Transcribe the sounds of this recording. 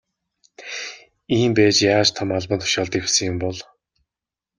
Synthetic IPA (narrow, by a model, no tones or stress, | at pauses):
iːmpæːt͡ɕjaːt͡ɕt̪ʰɔmaɮpə̆nt̪ʰʊ̥ʃaːɮt̪ewsɘ̆ŋjʊmpɔɮ